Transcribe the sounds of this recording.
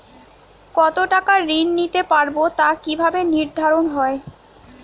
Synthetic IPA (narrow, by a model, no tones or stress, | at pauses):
kɔt̪oʈakaɾinːit̪epaɾbot̪akibʱabeniɾd̪ʱaɾonɦɔe